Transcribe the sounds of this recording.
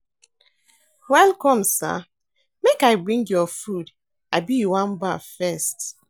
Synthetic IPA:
wɛlkɔ̃msa̰ | mekaɪbɹĩŋɡjɔfud | abijuwãnba̰fɛst

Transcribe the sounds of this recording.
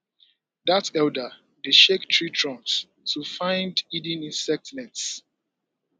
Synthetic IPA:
ðatɛldə | biʃektʰɹitɹɔ̃ns | tʰufãɪ̃ndidĩnĩnsɛk̚tnɛts

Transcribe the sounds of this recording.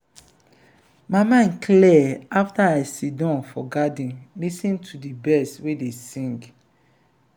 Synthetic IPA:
mamãnkʰlɛaftaaɪsidɔ̃nfɔɡadĩnlisĩntʰudibɛstwedesĩŋɡ

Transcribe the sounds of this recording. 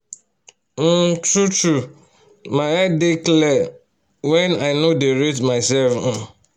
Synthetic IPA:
n̩tɾutu | maɪɛdɪklɛ | wɛ̃naɪnodeɾetmaɪsɛlf̩

